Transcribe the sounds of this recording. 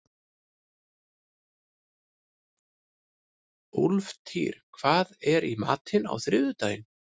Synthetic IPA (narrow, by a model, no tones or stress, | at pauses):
ʊlft̪ʰḭːɾ̥kʰv̥aːðɛɾima̰ːt̪ʰɪna̰wθɾɪðʏt̪aːjɪn